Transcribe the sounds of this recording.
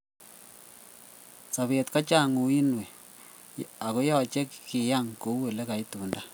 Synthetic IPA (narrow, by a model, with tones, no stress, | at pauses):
sa˨βe˨tka˦t͡ʃa˦˨ŋu˨i˦nwe˨ | a˨ko˦ja˦˨t͡ʃɛ˦kki˨ja˦ŋko˨˦we˨le˦ka˨i˦tuː˨nda˦